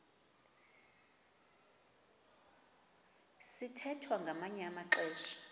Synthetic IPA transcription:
sitʰɛtʰwaŋɡʱamaɲɛamaǁɛːʃi̥

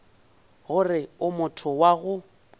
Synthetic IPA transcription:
ɣʊrɪʊmʊtʰʊwaɣʊ

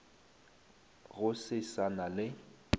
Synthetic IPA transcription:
ɣʊsɪsanalɪ

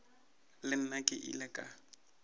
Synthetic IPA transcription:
lɪn̩nakʼɪʔḭlɛkʼa

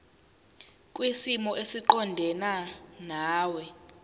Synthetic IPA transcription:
kʼwisimɔʔesiǃɔndʱɛnanaːwɛ

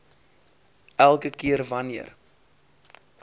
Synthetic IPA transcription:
ælˠkəkiərvɐniər

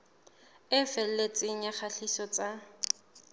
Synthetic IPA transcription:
ɪfɛl̩let͡sʼɪŋ̩aχaɬisɔt͡sʼa

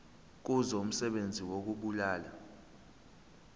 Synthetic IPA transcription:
k̬uzoum̩sɛɓend͡zʱiwok̬uɓulaːla

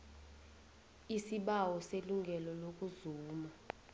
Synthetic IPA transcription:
isiɓawɔseluŋɡʱɛlɔlok̬ʼuzuːma

